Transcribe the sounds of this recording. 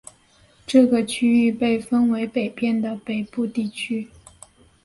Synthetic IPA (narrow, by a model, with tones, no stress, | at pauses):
ʈ͡ʂɤ˥˩ɡə˩t͡ɕʰy˥y˥˧pe˥˩ɪfə˥nwe˧˥ɪpe˨˩ɪpjɛ˥˩nd̪ə˩pe˨˩ɪpu˥˧t̪i˥˩t͡ɕʰy˥